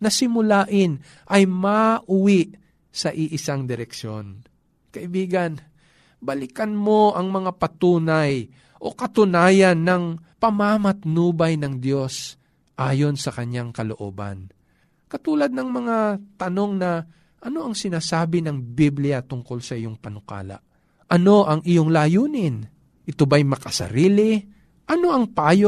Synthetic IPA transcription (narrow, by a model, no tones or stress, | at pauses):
nɐsɪmʊlaːʔɪn | ʔɐjmaʔʊwiʔ | sɐʔɪʔɪsaŋd̪ɪɾɛkʃo̞n | kɐʔɪbiːɡɐn | bɐlɪkɐnmo̞ʔɐŋmɐŋapɐt̪uːnaj | ʔo̞kɐt̪ʊnaːjɐnːɐŋpɐmamɐt̪nuːbɐjnɐŋd̪jo̞s | ʔaːjo̞nsɐkɐɲaŋkɐlo̞ʔo̞̰ːbɐ̰n | kɐt̪uːlɐd̪̚nɐŋmɐŋat̪ɐno̞ŋnɐ | ʔɐno̞ʔɐŋsɪnaːsaːbɪnɐŋbiblɪjɐt̪ʊŋko̞lsɐʔɪjoŋpɐnʊka̰ːlɐ̰ | ʔɐno̞ʔɐŋʔɪjo̞ŋlajuːnɪn | ʔɪt̪obajmɐkɐsɐ̰ɾiːlɪ | ʔɐno̞ʔɐŋpaːjo